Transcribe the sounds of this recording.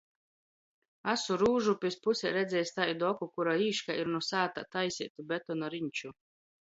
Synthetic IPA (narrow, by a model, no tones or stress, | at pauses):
asuɾuːʒupʲispusʲɛɾɛd̪zʲɛːjst̪ajid̪ɔkukuɾaiːʃkaiɾnusaːt̪a̰t̪ajsʲit̪ubʲet̪ɔnɔɾiɲʲt͡ʃu